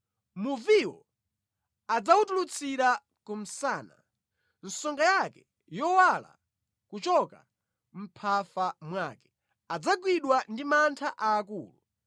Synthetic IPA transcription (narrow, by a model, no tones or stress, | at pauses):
muviwɔ̰ | ad͡zawutulut͡sʰiɾa | kum̩saːna̰ | n̩sɔŋɡajakɛ | jɔwala̰ | kut͡ʃɔka | m̩pʰafamwaːkɛ̥ | ad͡zaɡwiɗwandimantʰaʔaːkuːlu